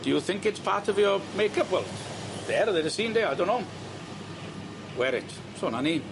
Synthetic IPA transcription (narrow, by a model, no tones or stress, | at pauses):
d̥iuθɪŋkɪtspʰatʰəviɔmejkʰəpwɛlˠt | d̥ɛɾəðedəsiːndeadonɔm | wɛɾɪtʰ | soːnaniː